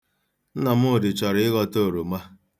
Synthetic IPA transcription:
n̩˦na˨m̩˦ʊ˦˨dɪ˨t͡ʃɔ˨ɾɪ˦ɪ˦ɣɔ˦to˦˨ɾo˨ma˦

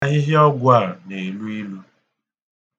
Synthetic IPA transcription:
ɦɪ˦ɦɪ˦ɔ˦ɡʷa˦˨ne˨lu˦i˦lu˦

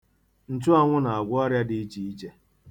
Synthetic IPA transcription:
n̩˦tu˦a˨ŋʷʊ˦na˨a˨ɡʷɔ˦ɾja˦dɪ˨i˦t͡ʃi˨i˦t͡ʃe˦

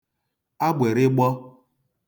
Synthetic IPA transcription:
a˦ɡ͡bʷe˨ɾɪ˦ɡ͡bɔ˦

